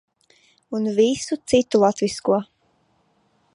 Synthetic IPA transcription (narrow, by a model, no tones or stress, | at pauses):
unvisut̪sit̪ulˠat̪viskuɔ